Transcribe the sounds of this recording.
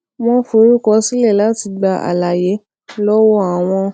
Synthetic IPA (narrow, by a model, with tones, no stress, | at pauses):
m̃ɔ̃˧fo˨˦ɾu˦kɔ˧˦si˦lɛ˦˨la˦ti˧ɡ͡ba˧ʔa̰˨la˨je˨˦ | lɔ˦wo˦a˨w̃ɔ̃˧